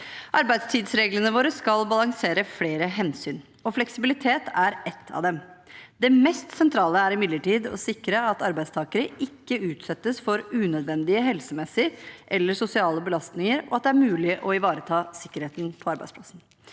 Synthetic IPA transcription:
ʔɑɾbæɪd̪st̪ʰiːd̪sɾeːɡlənəʋoːɾəskɑlbɑlɑŋseːɾəfleːɾəɦɛnsyːn | ɔflɛksɪbɪlɪt̪ʰeːt̪ʰæɾɛt̪ʰːɑ̰ʋd̪ɛm | d̪ɛmɛst̪sɛnt̪ʰɾɑːləæɾɪmɪd̪ləʈiːd̪ɔ̰sɪkɾəɑt̪ɑɾbæɪd̪st̪ʰɑːkəɾəʔɪkːəʉːt̪sɛt̪ːəsfɔɾʉːnœd̪ʋɛnd̪ɪəɦɛlsəmɛsːəɾʔɛlːəʂʊsɪɑːləbəlɑst̪nɪŋəɾɔ̰ɑt̪̚d̪ɛæɾmʉːlɪʔɔɪʋɑːɾət̪ʰɑːsɪkːəɾheːt̪n̩pʰɔɑɾbæɪspʰlɑsn̩

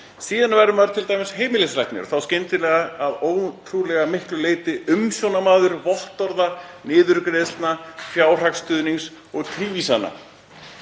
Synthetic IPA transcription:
siːðanvaɾʏmaɾt̪ʰɪlt̪ajmɪsheːjmɪlɪslajht̪nʏ̰ɾθawscɪnt̪ɪlɛːɣaaðoːwt̪ʰɾulɛɣamɪhklʏleːjt̪ɪʏmsjownamaːðʏɾvɔl̥t̪ɔɾðanɪːðʏɾkɾeːðst̪nafjaːwr̥akst̪ʏðniŋs | ɔɣt̪ʰɾiːviːsanːa̰

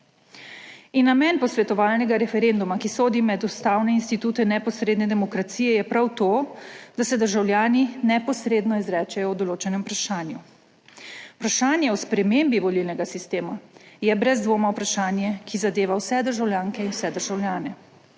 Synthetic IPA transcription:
inːamɛnpɔsʋɛt̪ɔʋaːlnɛɡaɾɛfɛɾend̪umakisoːd̪imɛd̪ust̪aːwnɛinst̪it̪uːt̪ɛnɛpɔsɾeːd̪nɛd̪ɛmɔkɾat̪sijɛjɛpɾawt̪oːd̪̥asɛd̪əɾʒawljaːninɛpɔsɾeːd̪nɔizɾɛːt͡ʃɛjɔwd̪ɔloːt͡ʃɛnɛmpɾaʃaːnju | pɾaʃaːnjɛɔspɾɛmeːmbiʋɔlilnɛɡasist̪eːmajɛbɾɛzd̪ʋoːmaupɾaʃaːnjɛkizad̪eːʋawsɛd̪əɾʒawljaːŋkɛinwsɛd̪əɾʒawljaːnɛ

